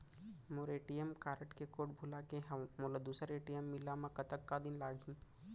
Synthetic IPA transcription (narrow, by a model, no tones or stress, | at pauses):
moːɾeːʈijemkaːɾəʈkekoːʈbʱʊlakeɦɛmoːlad̪uːsəɾeːʈijemːɪlamãkɐt̪əkːad̪ɪnlaːɡʱĩː